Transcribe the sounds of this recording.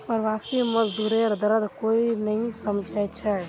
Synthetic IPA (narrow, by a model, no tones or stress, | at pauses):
pəɾʋaːsiməzd̪uːɾeɾd̪əɾəd̪koːinɐɦĩsəmd͡ʒʱajt͡ʃʰɛ